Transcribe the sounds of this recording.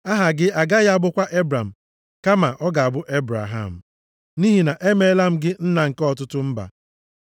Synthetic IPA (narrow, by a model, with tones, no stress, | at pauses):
a˦ɦa˨ɡɪ˦a˨ɡa˦ja˦a˦bʊ˦kʷa˦ʔe˦bɾa˨m̩˨ | ka˦ma˨ʔɔ˦ɡa˨a˨bʊ˦ʔe˦bɾa̰˨ɦa̰˨m̩˨ | ni˦ɦi˨na˨ʔe˦me˦la˦m̩˦ɡɪ˦n̩˦na˨ŋ̩˨kɔ˦˨tʊ˦tʊ˦m̩˦ba̰˨